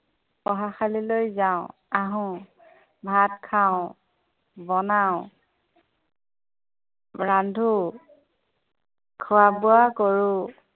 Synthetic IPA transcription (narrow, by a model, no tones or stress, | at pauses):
pɔɦaxalilojzaʊ̃ | aɦʊ̃ | bʱatkʰaʊ̃ | bɔnaʊ̃ | ɹandʱu | kʰʊwabʊakoɹʊ